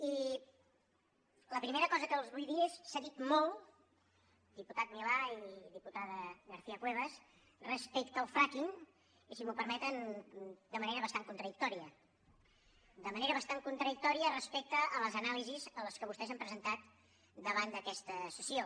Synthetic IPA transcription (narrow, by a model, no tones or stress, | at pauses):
i | ləpɾimeɾəkɔzəkəːlˠzβujðiəsːaðit̪mɔlˠ | d̪iput̪at̪̚milaiðiput̪aðəɣəɾθiəkweβ̞əs | rəspekt̪əːlˠfɾakiŋ | isimupəɾmɛt̪ənd̪əməneɾəβəst̪aŋkunt̪ɾəðik̚t̪ɔɾiə | d̪əməneɾəβəst̪aŋkunt̪ɾəðik̚t̪ɔɾiərəspɛk̚t̪əələzənalizizələskəβust̪ɛzəmpɾəzənt̪at̪ | d̪əβand̪əkɛst̪əsəsio